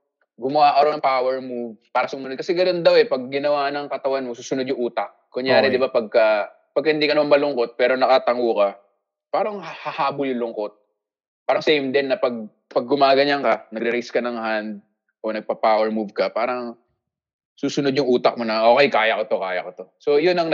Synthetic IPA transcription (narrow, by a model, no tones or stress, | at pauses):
ɡʊmɐaːkɐɾonɐŋpaːwɛɹmuvpaːɾɐsʊmɐnod̪̚kɐsɛɡɐno̞nd̪ɐwɛpɐɡ̚ːɪnɐwanɐŋkɐt̪ɐwanmosuːsʊnod̪jʊŋʔuːt̪ɐk̚kʊŋjaːɾɛd̪ɪbapɐɡ̚kɐ | pɐɡ̚kːɐhɪnd̪iːkɐnɐmamɐlʊŋkot̪̚pɛːɾo̞nɐkɐt̪ɐŋukɐ | paːɾɐŋhɐhaːbʊjʊŋlʊŋko̞t̪̚ | paːɾɐŋsɛjmd̪ɛnːɐpɐɡ̚ | pɐɡ̚ːʊmaːɡɐɲɐŋkɐnɐɡ̚ɾɪɾiskɐnɐŋhand̪̚ | ʔonɐɡ̚pɐpaːwɛɹmuvkɐpaːɾɐŋ | suːsʊnod̪jʊŋʔuːt̪ɐk̚monɐʔoːkɛjkaːjɐkot̪o̞kaːjɐ̰kot̪o̞so̞jʊnɐŋ